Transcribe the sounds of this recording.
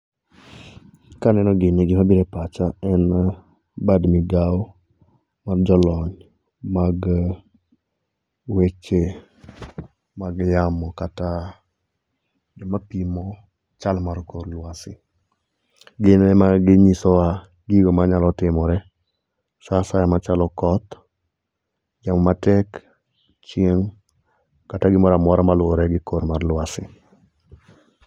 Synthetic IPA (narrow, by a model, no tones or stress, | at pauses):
kanɛnɔɡineɡimabiɾepat͡ʃaɛn | badmiɡaw | maɾd͡ʒɔlɔɲ | maɡ | wet͡ʃe | maɡjamɔkata | d͡ʒɔmapimɔ | t͡ʃalmaɾkoɾluasi | ɡinemaɡiɲisowa | ɡiɡomaɲalotimoɾe | sasajamat͡ʃalokot | ɟammatek | t͡ʃieŋ | kataɡimoɾamoɾamaluɾeɡikoɾmaɾluasi